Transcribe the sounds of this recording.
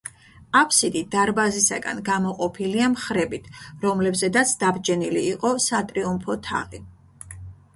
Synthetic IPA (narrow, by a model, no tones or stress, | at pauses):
apʰsid̪id̪aɾbazisa̰ɡa̰nɡamɔqʼɔpʰiliamχɾɛbit̪ʰɾɔmlɛbzɛd̪at̪sʰd̪abd͡ʒɛniliːqʼɔsat̪ʼɾiumpʰɔt̪ʰa̰ʁi